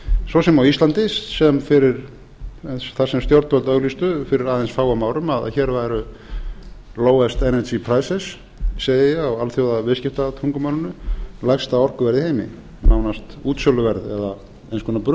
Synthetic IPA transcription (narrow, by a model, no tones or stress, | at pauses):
svɔsɛmawist̪lant̪ɪsːɛmfɪɾɪɾ | ɛsθḁsɛmst̪jɔwɾt̪vœlt̪œɣlist̪ʏfɪɾɪɾaːðɛnsfaːwamaːwɾʏmaða̰çɛɾvajɾʏ | loːwɛst̪ɛnɛsipʰɾaːjsɛs | seːjjɪawalθjowðavɪscɪft̪at̪ʰɾuŋkʏmawlɪnʏlajxst̪aɔr̥kʏvɛɾðɪheːjmɪ̰ | nawnast̪uːt̪sjɔlʏvɛɾðɛ̰ða | ejnskʰɔnapɾʏ